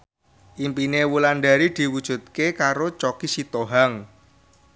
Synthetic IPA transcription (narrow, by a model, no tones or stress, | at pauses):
ʔimpinewulanɖaɾid̪̥i̤wud̥ʒ̥ṳt̪̚kekaɾot͡ʃokisit̪oɦaŋ